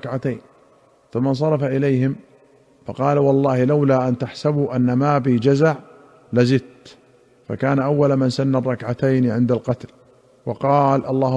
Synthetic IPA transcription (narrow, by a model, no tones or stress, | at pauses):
kʕat̪ajn | θʊmːɑns̬ˤɑɾˤɑfaʔɪlajhɪm | fɑqɑːlawɑlˤːɑːhɪlawlaːʔant̪aħsabuʔanːamaːbid͡ʒazaʕ | lazɪd̪̚t̪ | fa̰kaːnaʔawːalmansanːarˤːɑkʕat̪ajnʕɪnd̪alqɑt̪l | wɑqɑːlʔɑlˤːɑːh